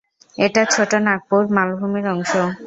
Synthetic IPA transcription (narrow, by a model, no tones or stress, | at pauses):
eʈat͡ɕʰoʈonak̚poɾmalbʱumeɾɔŋʃo